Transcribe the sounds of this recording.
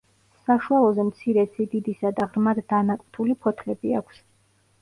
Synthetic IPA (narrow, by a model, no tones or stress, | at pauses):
saʃualˠɔzɛmt̪sʰiɾɛsid̪id̪isad̪aʁɾmad̪ːanakʼt̪ʰulipʰɔt̪ʰlɛbiakʷʰs